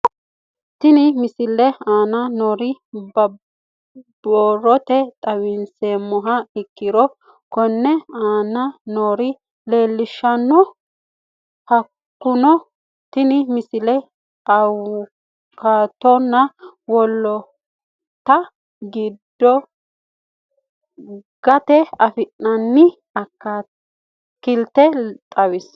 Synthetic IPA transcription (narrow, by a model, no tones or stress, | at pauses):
t̪ːɪnɪmɪsɪlːɛaːnɐnoːɾɪbɐ | boːrːɔt̪ɛt̪ʼɐwɪnseːmːɔɦɐɪkːɪɾɔ | kɔnːɛaːnɐnoːɾɪ | le̞ːlːɪʃːɐnːɔ | hɐ | kːʊnɔ | t̪ɪnɪmɪsɪlɛ | ɐw | kaːt̪ɔnːɐwɔlːɔ | t̪ːɐ | ɡɪd̪ːɔ | ɡ̥ɐt̪ɛɐfɪnːɐnːɪ | ɐkːa | kːɪlt̪ːɛt̪ʼɐwɪs